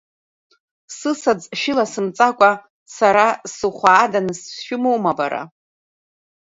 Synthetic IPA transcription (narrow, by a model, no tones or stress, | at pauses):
sɨsad͡zʃɪlasɨmt͡sʼakʷʼa | saɾasɨχʷaːdanɨsʃᶣɪmowmaba̰ɾa̰